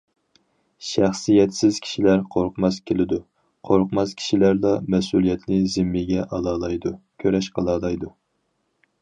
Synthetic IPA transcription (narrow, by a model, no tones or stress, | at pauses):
ʃæχsijɛt̪sɪz̥kʲʰi̥ʃilæɾqʰoɾqmɑskʲʰelɪd̪u | qʰoɾqmɑskʲʰi̥ʃilæɾd̪ɑmɛsulˠijɛt̪nɪzɪmːɪɡʲɛʔɑlˠɑːlˠɑjd̪ukʲʰøɾɛʃqʰəlˠɑːlˠɑjd̪u